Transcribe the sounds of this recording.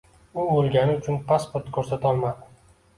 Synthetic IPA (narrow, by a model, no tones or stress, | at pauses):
ʊbolˠɡʲanɪʊt͡ʃʰʊnpʰaspʰoɾt̪kʰɵɾsat̪ʰɒlˠmad̪ɪ